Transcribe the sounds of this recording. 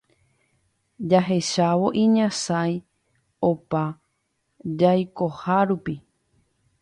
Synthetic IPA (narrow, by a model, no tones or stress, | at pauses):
d͡ʒaɦe̞ʃaʋo̞ʔĩɲãsaj | opa | d͡ʒajko̞haɾupi